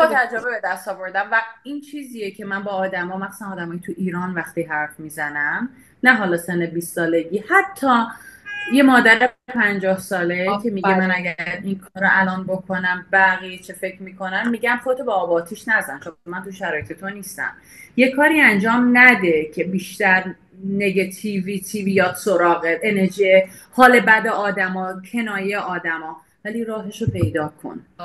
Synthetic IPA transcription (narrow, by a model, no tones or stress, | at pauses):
bɒt̪ʰæd͡ʒɾobebed̪æst̪ɒːvo̞ɾd̪æmvæiːnt͡ʃʰiːziːjecʰe̞mænbɒːd̪æmɒːmæxsænɒːd̪æmɒːjet̪ʰuʔiːɾɒːnvæxt̪iɦæɾfmiːzænæm | næɦɒːlɒːsenːebiːstːɒːle̞ɟihæt̪ʰːɒː | je̞mɒːd̪æɾepʰænd͡ʒɒːhsɒːlecʰe̞miɡemænæɟæɾinkʰɒːɾoʔælɒnbokʰonæmbæɣijet͡ʃʰefe̞cʰɾmiːkʰo̞nænmiːɟæmxot̪ʰobeɒːbɒːt̪ʰiʃnæzænt͡ʃʰomomænt̪ʰuʃæɾɒːjet̪ʰet̪ʰoniːst̪æ̰m | je̞kʰːɒːɾiːænd͡ʒɒːmnæd̪e̞cʰe̞biːʃt̪æɾ | ne̞ɡet̪ʰivit̪ʰivijɒːt̪soɾɒːɣeʔeneɾʒie | hɒːle̞bæd̪eʔɒːd̪æmɒːcʰe̞nɒːjejeʔɒːd̪æmɒː | væliːɾɒːɦeʃopʰe̞jd̪ɒːkʰo̰n